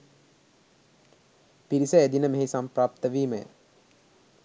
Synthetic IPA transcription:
piɾisəed̪inəmeɦesampɾaːp̚t̪əʋiːməjə̰

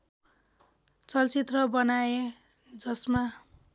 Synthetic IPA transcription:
t͡sʌlt͡sit̪rʌbʌnae | d͡zʌsma

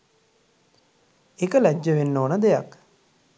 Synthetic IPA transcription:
ekəlæd͡ʒːəʋenːoːnəd̪eja̰k

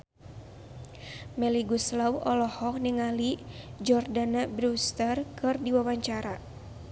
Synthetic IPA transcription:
mɛliɡuslawʔɔlɔhɔk̚niŋalid͡ʒɔrdanabɾust̪ərkɨrdiwawaɲt͡ʃaɾa

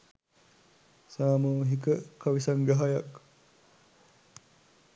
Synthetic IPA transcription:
saːmuːɦikəkɐʋisɐŋɡɐɦɐjɐk

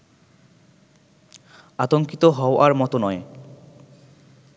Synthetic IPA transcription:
at̪oŋkit̪oɦɔoʔaɾmɔt̪onɔe

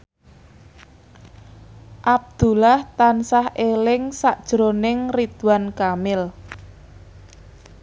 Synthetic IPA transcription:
ʔab̚d̪̥ulaht̪ansahʔelɪŋsaʔd̥ʒ̥ɾonɪŋrid̪̥uwankamɪl

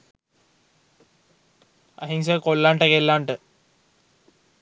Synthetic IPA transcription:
ɐ̰ɦiŋs̬əkolːaːɳʈəkelːaːɳʈə

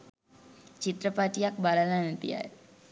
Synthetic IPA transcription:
t͡ʃit̪ɾəpaʈijak̚balananət̪ḭa̰

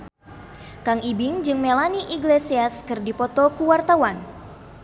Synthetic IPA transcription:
kaŋibɪŋd͡ʒɨŋmelaniʔiɡlesiaskɨrdipɔt̪ɔkuwart̪awan

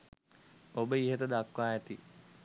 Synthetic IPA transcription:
obəiɦət̪əd̪akʋaːɛt̪i

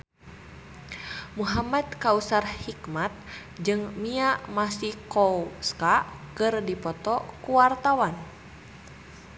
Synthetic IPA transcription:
muɦamad̪kausarhikmat̪̚ | d͡ʒɨŋmiamasihkɔwskakɨrdipɔt̪ɔkuwart̪awan

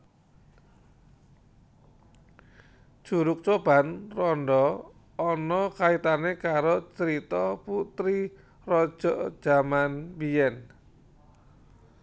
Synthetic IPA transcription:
d̥ʒ̥uɾʊk̚t͡ʃob̥a̤nrɔnɖɔ | ɔnɔkait̪anekaɾot͡ʃəɾit̪ɔput̪ɾi | rɔd̥ʒ̥ɔ̤ʔd̥ʒ̥a̤manbijɛn

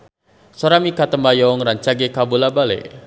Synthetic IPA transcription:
sɔɾamikat̪əmbajɔŋraɲt͡ʃaɡekabulabalḛ

